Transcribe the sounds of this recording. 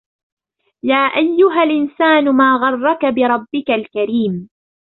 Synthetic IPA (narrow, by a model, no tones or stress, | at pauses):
jaːʔajːʊɦalʔɪnsaːnʊmaːɣɑrˤːɑkabɪɾˤɑbːɪkalkaɾiːm